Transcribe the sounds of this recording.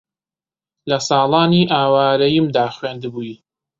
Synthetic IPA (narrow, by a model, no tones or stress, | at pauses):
lɐsɑːlˠɑːniʔaːwaːɾɐjimd̪aːχweːnd̪ɨbuji